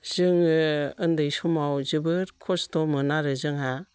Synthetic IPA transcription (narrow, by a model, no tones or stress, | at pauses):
z̥ɯŋɯɯndɯjsumawzɯbɯɾkʰɔstomɯnaɾɯzɯŋɦa